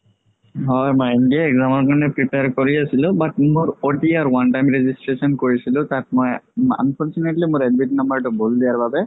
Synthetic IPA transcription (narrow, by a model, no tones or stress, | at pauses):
ɦɔjmɔjendiaɛɡzamɔɹkaɹɔnɛpɹipejaɹkoɹiasilʊ̃batmʊɹoʈiaɹwanʈajmɹezistɹesɔnkoɹisilʊ̃tat̚moja̰npʰɔɹt͡ʃuneʈlimʊɹedbiʈnambaɹʈʊboldijaɹbabɛ